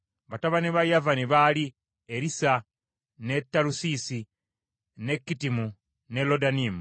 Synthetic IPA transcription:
βataβaniβajavaniβali | eɾisa | ne̞tːalusisi | ne̞kːitimu | nelo̞daniːmu

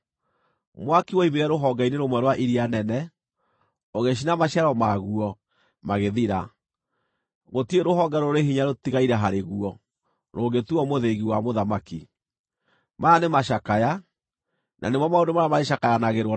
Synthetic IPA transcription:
mwakiwoimeɾɛɾoɦɔɡaineɾomwɛɾwaʔiɾianɛnɛ | oɣeʃ̬inamaɕaɾɔmaɣuɔ | maɣeðiɾa | ɣotieɾoɦɔɡaɾoɾeɦiɲaɾotiɣaiɾɛɦaɾeɣuɔ | ɾoːɡetuɔmoðeɣiwamoðamaki | maːnemaʃakaja | nʔa̰nemɔmaondomaɾamaɾeʃakajanaɣeɾɔ

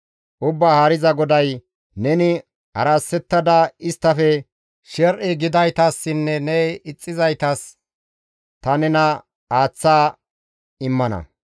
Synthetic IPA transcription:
ʔʊbːaːhɐɾɪzɐɡɔd̪ɐj | nɛnɪ | hɐ̰ɾasːɛt̪ːɐd̪ɐɪst̪ːɐfɛ | ʃɛɾʔɪɡɪd̪ɐjt̪ɐsːɪnːɛnɛɪt͡sʼːɪzɐjt̪ɐs | t̪ɐnɛnɐ | aːt͡sːaː | ɪmːɐnɐ̰

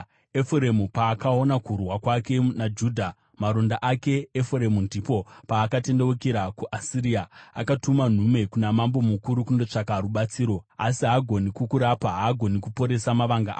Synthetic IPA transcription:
efuɾe̞mupaːkao̞nakurwakwake̞nad͡ʒuːdʱa | maɾo̞ndaʔake̞ːfuɾe̞mundʱipo̞paːkate̞ndewukeɾakuʔasiɾiaakatuman̤ume̞kunamambo̞mukuɾukundo̞t͡ʂakaɾuɓat͡siːɾo̞asiɦaɡʱo̞nikukuɾapaɦaːɡʱo̞nikupo̞ɾe̞samaʋaŋɡaʔa̰ː

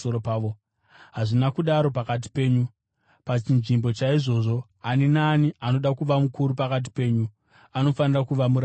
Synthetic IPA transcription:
oɾopaːʋo | ɦaʐinakuɗaɾo̞pakat̬i̥pe̞ːɲu | pat͡ʃinʐimbo̞t͡ʃaiʐo̞ːʐo̞ | aninaːnianoɗakuʋamukuɾupakat̬i̥pe̞ːɲu | ano̞fanirakuʋamuɾa

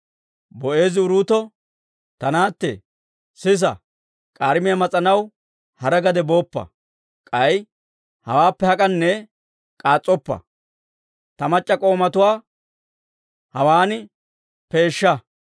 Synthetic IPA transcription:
bɔʔe̞ːzɪʊɾuːt̪ɔ | t̪ɐnaːt̪ːɛ̰ | sɪs̬ɐ̰ | kʼaːɾɪmɪjɐmɐt͡sʼɐnɐw | hɐɾɐɡɐd̪ɛbo̞ːpːɐ̰ | kʼɐj | hɐ̰waːpːɛhɐkʼɐnːɛ | kʼaːt͡sʼːɔpːɐ̰ | t̪ɐmɐt͡ʃʼːɐkʼo̞ːmɐt̪ʊwaː | hɐwaːnɪ | pe̞ːʃːɐ

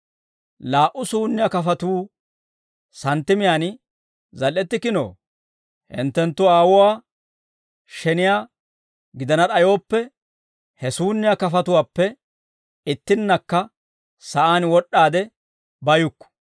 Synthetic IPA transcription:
laːʔʊsuːnːɪjakɐfɐt̪uː | sɐnt̪ːɪmɪjaːn | zɐlːɛt̪ːɪkɪno̰ː | hɪ̰nt̪ːɛnt̪ːʊaːwʊwaː | ʃɛnɪjaː | ɡɪd̪ɐnɐɗɐjoːpːɛ | hɛsuːnːɪjakɐfɐt̪ʊwaːpːɛ | ɪt̪ːɪnːɐkːɐ | sɐʔaːnwɔɗːaːd̪ɛ | bɐjʊkːɔ̥

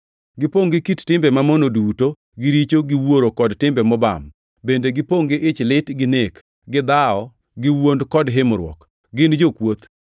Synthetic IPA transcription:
ɡɪpoŋɡɪkittɪmbɛmamonoduto | ɡɪɾit͡ʃoɡɪwoɾokɔdtɪmbɛmɔba̰m | bendeɡɪpoŋɡɪʔɪt͡ʃlɪtɡɪnek | ɡɪd̪aɔ | ɡɪwondkɔdɦɪmɔɾwɔ̰k | ɡɪnd͡ʒokwot̪

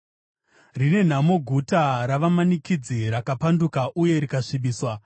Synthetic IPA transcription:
rine̞n̤amo̞ɡʱutaɾaʋamanikid͡ziɾakapandukaʔuje̞ɾikaʂiɓiːswa

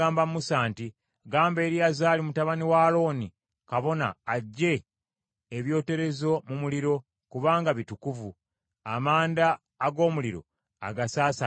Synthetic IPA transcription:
aːmbammusaːnti | ɡaːmbe̞ːɾiazaːlimutaβaniwalo̞ːni | kaβo̞na̰ːɟːe̞ː | βjo̞ːte̞ɾe̞zo̞mumuliɾo̞ | kuβaːŋɡaβitukuvu | a̰maːndaː | ɡo̞ːmuliɾo̞̰ | a̰ɡasaːsa

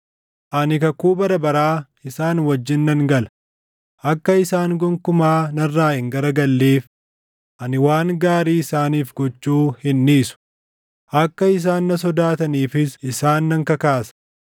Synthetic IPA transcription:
ʔɐnɪkɐkuːbɐɾɐbɐɾaː | ɪsaːnwɐd͡ʒːɪnːɐŋɡɐlɐ̥ | ʔɐkːɐɪsaːŋɡɔŋkʊmaːnɐrːaːhɪŋɡɐɾɐɡɐlːeːf | ʔɐnɪwaːŋɡaːɾiːɪsaːniːfɡɔt͡ʃːuːhɪnːiːsʊ̥ | ʔɐkːɐɪs̬aːnːɐs̬ɔd̪aːt̪ɐniːfɪsɪsaːnːɐŋkɐkaːsɐ̥

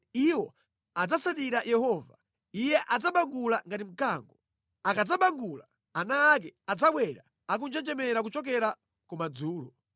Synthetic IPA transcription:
iwɔ | ad͡zasatiɾajɛhɔva̰ | ijɛʔad͡zaɓaŋɡulaŋɡatim̩kaːŋɡɔ | akad͡zaɓaŋɡula | anaːk̬ɛad͡zaɓwɛɾa | ak̬und͡ʒɛnd͡ʒɛmɛɾak̬ut͡ʃɔk̬ɛɾa | kumad͡zuːlɔ

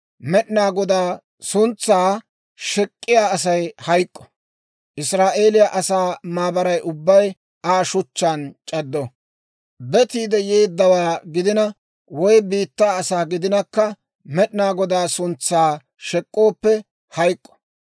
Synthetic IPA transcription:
mɛɗɪnaːɡɔd̪aː | sʊnt͡sːaː | ʃɛkʼːɪjaːɐs̬ɐjhɐjkʼːɔ̥ | ʔɪsɾaːʔe̞ːlɪjɐʔɐsaːmaːbɐɾɐjʔʊbːɐj | aːʃʊt͡ʃːaːnt͡ʃʼɐd̪ːɔ | bɛt̪iːd̪ɛjeːd̪ːɐwaːɡɪd̪ɪnɐ | wɔjbiːt̪ːaːsaːɡɪd̪ɪnɐkːɐ | mɛɗnaːɡɔd̪aːsʊnt͡sːaː | ʃɛkʼːo̞ːpːɛ | hɐjkʼːɔ̥

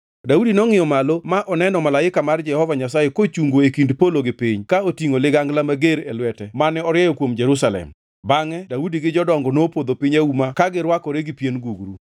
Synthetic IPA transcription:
daudinɔŋɪjɔmalomaʔɔnɛnɔmalaɪkamard͡ʒɛhɔvaɲasajekot͡ʃuŋɡoekindpoloɡɪpiɲkaotiŋolɪɡaŋɡlamaɡeɾḛlwɛtɛmanɛɔɾjɛjɔkwomd͡ʒɛɾus̬alɛ̰m | baŋɛdaudiɡɪd͡ʒɔdɔŋɡɔnopod̪opɪɲaumakaɡɪɾwakɔɾeɡɪpjenɡuɡɾu

